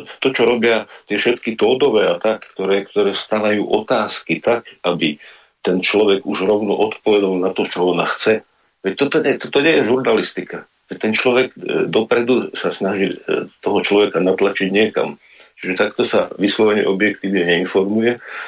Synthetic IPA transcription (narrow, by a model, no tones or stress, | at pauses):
t̪ɔt͡ʃɔɾɔbɪat̪ɪɛfʃɛt̪kit̪ɔːd̪ɔʋɛːat̪akːt̪ɔɾɛːkt̪ɔɾɛːst̪aʋajuːʔɔt̪aːskit̪akabi | t̪ɛnt͡ʃlɔʋɛɡuʒɾɔʊnɔʔɔt̪pɔʋɛd̪alnat̪ɔt͡ʃɔɔnaxt͡sɛ | ʋɛc̚t̪ɔt̪ɔɲɛt̪ɔt̪ɔɲɪɛjɛʒuɾnalist̪ika | ʋɛt̪ɛnt͡ʃlɔʋɛɡd̪ɔpɾɛd̪usasnaʒit̪ɔɦɔt͡ʃlɔʋɛkanat̪lat͡ʃiɟɲɪɛka̰m | t͡ʃiʒɛt̪akt̪ɔsa̰ʋislɔʋɛɲɛ̰ʔɔbjɛkt̪iːʋɲɛɲɛinfɔɾmujɛ